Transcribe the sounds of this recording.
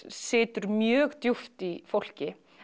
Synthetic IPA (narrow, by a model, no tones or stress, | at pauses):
sɪːt̪ʏɾmjœːɣt̪juft̪ifowl̥cɪ